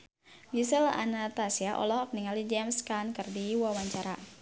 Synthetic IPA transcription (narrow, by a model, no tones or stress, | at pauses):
misɛla̰nat̪asiaʔɔ̰lɔhɔk̚niŋalid͡ʒɛmskankɨrdiwawaɲt͡ʃaɾa